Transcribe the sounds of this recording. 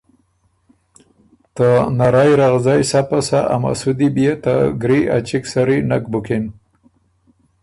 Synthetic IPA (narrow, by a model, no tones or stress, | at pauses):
t̪ənaɾajɾaɣzajsapasaʔa̰ma̰sud̪ibjet̪aɡɾiʔa̰t͡ʃiksaɾinak̚bʊken